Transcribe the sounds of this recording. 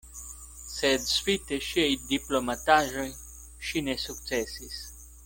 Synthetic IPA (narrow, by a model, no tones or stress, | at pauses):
sed̪sfit̪eʃiejd̪iplomat̪aʒoj | ʃinesuk̪̚sɛsis